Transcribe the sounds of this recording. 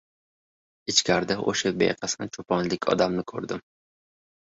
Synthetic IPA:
ɪt͡ʃkʲʰaɾd̪aʔo̰ʃabḛjqʰɑsɪnɪt͡ʃʰopʰɒnlɪkʲʰɒ̰d̪amnɪkʰɵɾd̪ɪm

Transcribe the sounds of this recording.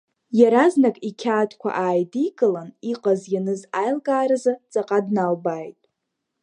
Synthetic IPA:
jaɾaznakʼikʲʰaːtʰkʷʰa̰ʔaːjdiɡʼɨlaniqʼazjanɨzajlɡʼaːɾazat͡sʼaqʼadnalbajtʼ

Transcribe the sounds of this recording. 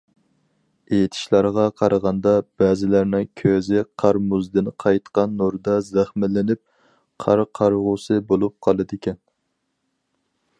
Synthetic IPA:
ejt̪ʰɪ̥ʃlˠɑɾʁɑqʰɑɾɑʁɑnd̪ɑb̥ɛzɪlæɾnɪŋkʲʰøzɪqʰɑɾmuzd̪ɨnqʰɑjt̪qɑnːoɾd̪ɑzæχmɪlɪnɪp̚ | qʰɑɾqʰɑɾʁʊsɨbolˠup̚qʰɑlˠɨd̪ɪkʲʰɛn

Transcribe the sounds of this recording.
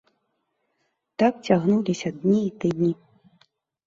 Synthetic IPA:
t̪ak̚t͡sʲaɣnulʲisʲɐd̪ʲnʲiːt̪ɨd̪ʲnʲi

